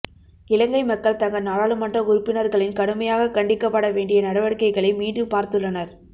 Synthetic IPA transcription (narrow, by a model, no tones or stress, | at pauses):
ɪlɐŋɡɐɪmɐkːɐɭt̪ɐŋɡɐnaːɭaːɭɯmɐndrɐʊɾʊpːɪnɐɾɣɐɭɪnkɐɽɯmɐjaːɣɐkɐɳɖɪkːɐpːɐɽɐʋeːɳɖɪjɐnɐɽɐʋɐɽɯkːɐɪɣɐɭɐɪmiːɳɖɯmpaːɾt̪ɯɭːɐnɐɾ